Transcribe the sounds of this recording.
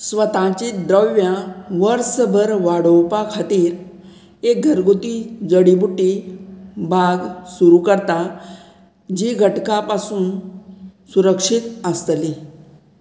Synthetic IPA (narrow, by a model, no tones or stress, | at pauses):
sʋət̪ãt͡ɕid̪ɾəʋjãʋəɾsəbʱəɾʋaɽəwpakʰat̪iːɾ | ek̚ɡʱəɾɡut̪id͡zəɽibuʈːi | bʱaɡsuɾukəɾt̪a | d͡ʑiɡʱəʈkapasuːn | suɾəkʂit̪əst̪li